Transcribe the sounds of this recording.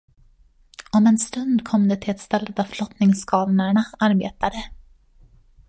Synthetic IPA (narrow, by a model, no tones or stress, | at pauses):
ɔmɛnst̪ɵnd̪kʰɔmd̪ɛt̪ʰɪɛt̪st̪ɛlːət̪avflɔt̪nɪŋskʰɑːlnaɳaaɾbḛːt̪ad̪ə